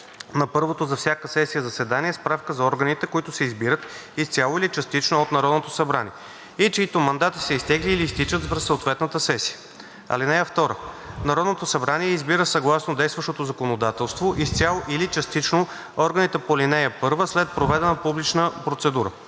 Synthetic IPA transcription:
nɐpɤɾvot̪ozɐfsʲjakəsɛsijəzɐsɛd̪aniɛspɾafkəzɐɔɾɡənit̪ɛkoit̪ʊsɛizbiɾət̪ist̪sʲalˠoilit͡ʃɐst̪it͡ʃnoot̪nɐɾɔd̪not̪osɐbɾanḭɛ | it͡ʃiit̪omɐnd̪at̪i̥sɛist̪ɛɡliːliːst̪it͡ʃət̪svɾssəot̪vɛt̪nət̪əsɛsi̥jə | ɐ̰linɛjəft̪ɔɾənɐɾɔd̪not̪osɐbɾaniɛizbiɾəsɐɡlˠasnod̪ɛjst̪vəʃt̪ot̪ozɐkonod̪at̪ɛlˠst̪voʔist̪sʲjalˠoʔilit͡ʃɐst̪it͡ʃno | ɔɾɡənit̪ɛpolinɛjəpɤɾvəslɛt̪̚pɾovɛd̪ɛnəpublit͡ʃnəpɾot̪sɛd̪uɾə̰

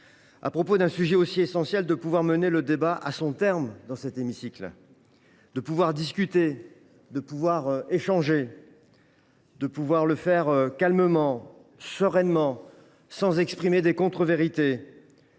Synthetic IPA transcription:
a̰pχɔpod̪ɛ̃syʒɛosiesɑ̃sjɛld̪əpuvwaʁməneləd̪ebaʔa̰sɔ̃t̪ɛʁmd̪ɑ̃sɛt̪emisikl | d̪̥əpuvwaʁd̪iskʲyt̪e | d̪əpuvwaʁeʃɑ̃ʒe | d̪əpuvwaʁləfɛʁkalməmɑ̃ | səʁɛnmɑ̃ | sɑ̃zɛkspχimed̪ekɔ̃t̪χəveʁit̪e

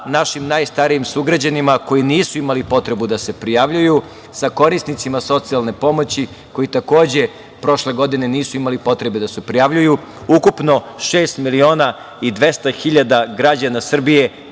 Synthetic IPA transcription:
naʃimnajst̪aɾijimsuɡɾad͡ʑanimako̞jiniːsuimalipo̞t̪ɾe̞bud̪ase̞pɾijaʋʎuju | sako̞ɾisnit̪simaso̞t̪sialˠne̞po̞mo̞t͡ɕi | ko̞jit̪ako̞ːd͡ʑe̞ | pɾo̞ʃle̞ɡo̞d̪ine̞niːsuimalipo̞t̪ɾe̞bed̪asepɾijaʋʎuju | ukupno̞ | ʃeːst̪milio̞ːna | id̪ʋe̞st̪axiʎad̪aɡɾad͡ʑanasr̩bije̞

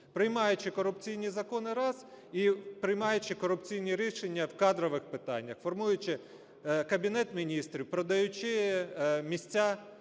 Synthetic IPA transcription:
pɾɪjmɑjʊt͡ʃɪkɔɾʊpt͡sʲijnʲizɐkɔnɪɾɑz | ipɾɪjmɑjʊt͡ʃɪkɔɾʊpt͡sʲijnʲiɾʲiʃenʲːɐwkɑd̪ɾɔʋɪxpɪt̪ɑ̰nʲːɐxfɔrmujʊt͡ʃɪ | kɐbʲinɛt̪mʲinʲist̪ɾʲiwpɾɔd̪ɐjʊt͡ʃɪ | mʲisʲt͡sʲːa

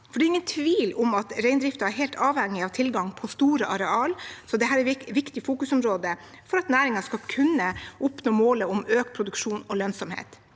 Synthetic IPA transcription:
fɔɖɛɾɪŋːənt̪ʰʋiːlʊmɑt̪ɾæɪnd̪ɾɪft̪ɑæɾɦɛɪlt̪ɑːʋhɛŋːɪɑʋt̪ʰɪlɡɑŋpʰɔst̪uːɾəʔɑɾɛɑːlsɔd̪ɛɦæːɾɛʋɪkt̪ɪfuːkʉsʊmɾoːd̪ə | fɔɾɑt̪næːɾɪŋɑʂkɑlkʰʉnːəʔʊpnoːmoːləʊmøːkpʰɾʊd̪ʉkʂuːnɔlœnsɔmhḛːt̪

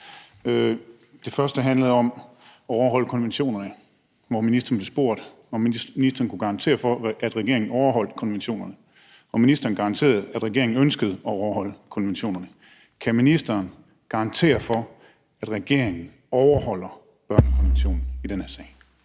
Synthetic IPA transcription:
ø | d̥e̝fɶɐsd̥əɦænləð̩ˠɒ̽m | ɒɒʊɐɦɒ̽l̰əkʰɒ̽nʋenɕo̝̰ːnɐnə | ʋɒminisd̥ɐːn̩ble̝sb̥o̝ɐ̰d̥ | ɒnisd̥ɐːnkʰuɡ̥ɑ̈ʁɑ̈nt͡sʰe̝̰ːɐfɒʔæd̥ʁɛɡ̥e̝ɐ̰e̝ŋn̩ɒʊɐɦɒ̽l̰d̥kʰɒ̽nʋenɕo̝̰ːnɐnə | ʋɒminisd̥ɐːn̩ɡ̥ɑ̈ɑnt͡sʰe̝̰ːɐð̩ˠæd̥ʁɛɡ̥e̝ɐeŋn̩ønsɡ̥əð̩ˠɒɒʊɐɦɒ̽l̰əkʰɒ̽nʋenɕo̝̰ːnɐnə | kʰæminisd̥ɐːn | ɡ̥ɑ̈ɑ̈nt͡sʰe̝̰ːɐfɒ̽ | æd̥ʁɛɡ̥e̝ɐ̰e̝ŋn̩ | ɒʊɐɦɒ̽l̰ɐ | b̥ɶɐnəkʰɒnʋenɕo̝̰ːn̩id̥enhæɐsɛ̰ː

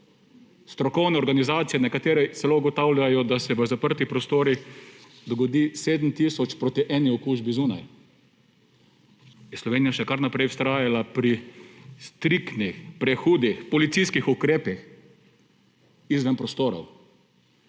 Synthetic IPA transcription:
st̪ɾɔkɔwnɛɔɾɡanizaːt̪sijɛnɛkat̪eːɾɛsɛlouɡɔt̪awljajɔd̪asɛʋəzapəɾt̪ipɾɔst̪oːɾi | d̪ɔɡɔd̪iseːd̪m̩t̪isɔt͡ʃpɾoːt̪iʔɛniɔkuːʒbizuːnaj | jɛslɔʋeːnijaʃɛkaɾnapɾɛjʊ̥st̪ɾaːjalapɾist̪ɾikt̪nixpɾɛxuːd̪ixpɔlit̪siskixukɾeːpix | izʋɛnpɾɔst̪oːɾɔ̰w

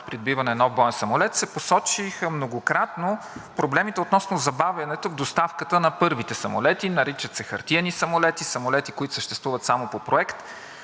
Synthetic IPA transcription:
pɾid̪bivɐnɛnɔvbɔɛnsɐmolɛt̪sɛposɔt͡ʃixəmnoɡokɾat̪no | pɾoblɛmit̪ɛot̪nɔsnozɐbavʲɐnɛt̪ovd̪ost̪afkət̪ənɐpɤɾvit̪ɛsɐmo̰lɛt̪inɐɾit͡ʃət̪sɛxɐ̰ɾt̪iɛnisɐmolɛt̪isɐmolɛt̪ikoit̪ʊ̥səʃt̪ɛst̪vuvət̪samopopɾoɛkt̪

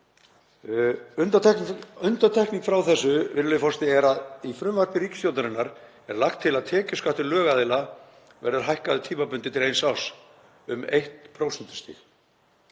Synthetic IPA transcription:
ʏ | ʏnt̪at̪ʰɛhkniŋkfɾawθɛsːʏvɪɾlʏfɔrst̪ɪɛɾaðifɾʏmvaɾt̪nɪɾiːkst̪jowlt̪aɾɪnːaɾ | ɛɾlaxt̪ʰːɪlaðt̪ʰɛːcɪskaht̪ɪɾlœːɣaðɪla | vɛ̰ɾðʏɾ̥ɦajhkaðʏt̪ʰiːmapʏnt̪ɪt̪ʰɪlejnsaws | ʏmejht̪pʰɾowsɛnt̪ʏ̥st̪ḭx

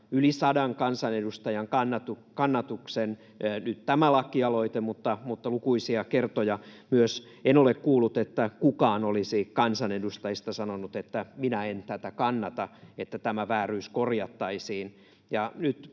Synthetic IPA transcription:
ylisɑdɑŋkɑnsɑnedust̪ɑjɑŋkɑnːɑt̪ukɑnːɑt̪uksen | nyt̪t̪æmælɑkːiɑloit̪emut̪ːɑmut̪ːɑlukuisiɑkert̪ojɑmyøs | enolekkuːlːˑut̪et̪ːækukɑːnolisikɑnsɑnedust̪ɑist̪ɑsɑnonut̪et̪ːæminæent̪æt̪ækɑnːɑt̪ɑet̪ːæt̪æmæʋæːryːskorjɑt̪ːɑisiːn | jɑnyt̪

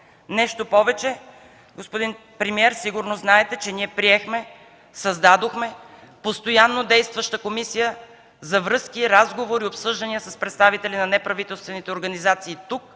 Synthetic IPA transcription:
nɛʃt̪opɔvɛt͡ʃɛ | ɡospod̪in | pɾɛmiɛɾsiɡʊɾnoznaɛt̪ɛt͡ʃɛniɛpɾiɛxmɛ | sɐzd̪ad̪oxmɛ | post̪ojanːod̪ɛjst̪vɐʃt̪əkomisijə | zɐvɾɤskʲiɾazɡovoɾiopsɤʒd̪ɐnijəsɐspɾɛt̪st̪avit̪ɛlʲinɐnɛpɾɐvit̪ɛlˠst̪vɛnit̪ɛoɾɡɐnizat̪siːt̪uk̚

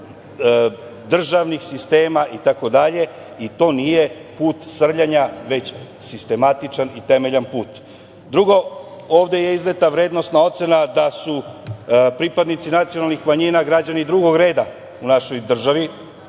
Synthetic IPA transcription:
d̪r̩ʒaʋnixsist̪e̞ːmaʔit̪ako̞d̪aʎe̞ | it̪o̞ːnije̞puːt̪sr̩ʎaɲaʋe̞t͡ɕ | sist̪e̞mat̪it͡ʃanit̪emeʎanpuːt̪ | d̪ɾuɡo̞ | o̞ːʋd̪eje̞izlet̪aʋɾe̞ːd̪no̞st̪nao̞t̪senad̪asu | pɾipad̪nit̪sinat̪sijo̞nalnixmaɲiːnaɡɾad͡ʑanid̪ɾuɡo̞ɡɾe̞ːd̪a | unaʃo̞jd̪r̩ʒaʋi

